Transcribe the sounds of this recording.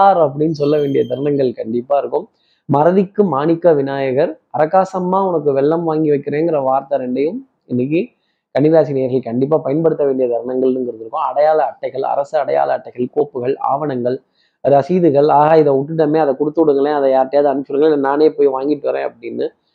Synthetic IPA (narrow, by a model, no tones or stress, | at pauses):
aːɾɐp̬ːɐɽɪnːɯs̬ɔlːɐʋeːɳɖɪjɐd̪ʱɐɾɳɐŋɡɐɭkɐɳɖɪpːaːɪɾɯkːɯm | mɐɾɐðɪkːɯmaːnɪkːɐʋɪnaːjɐɣɐɾ | ɐɾɐkaːsɐmːaːʊnɐkːɯʋɛɭːɐmʋaːŋɡɪʋɐɪkːɪɾẽːnɡɪɾɐʋaːɾt̪ɐɾɛɳɖɐjɯ̃m | ɪnːɪk̬ːɯ | kɐɳɪʋjaːsɪneːjɐɾɣɐɭkɐɳɖɪp̬ːaːpɐjɐnpɐɽɯt̪ːɐʋeːɳɖɪjɐd̪ʱɐɾɯɳɐŋɡɐɭnɯmɡɪɾɯk̪ːɯɾɯkːʊ̃ːɐɽɐjaːlɐːʈːɐɪɣɐɭɐ̰ɾɐsɯɐɽɐja̰ːlɐːʈːɐɪɣɐɭkoːpːɯɣɐɭa̰ːʋɐnɐŋɡɐɭ | ɐɾɯɐsiːðɯɣɐɭaːɣaːɪðɐʊʈːɯʈ̬ːɐmeːɐðɐkʊɽɯt̪ːɯɽɯŋɡɐɭẽːɐðɐjaːɾʈːɪjaːðɯɐnt͡ʃːɯɾɯŋɡɐɭnaːneːpoːjʋaːŋɡɪʈːɯʋɐɾḛ̃ːɐ̰pːɐɽɪnːɯ